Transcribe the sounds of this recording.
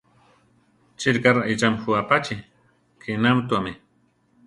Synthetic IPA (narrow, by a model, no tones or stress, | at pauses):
t͡ʃɪɾkaɾaɪt͡ʃamxuapat͡ʃɪ | kʰɪnamt̪uamɪ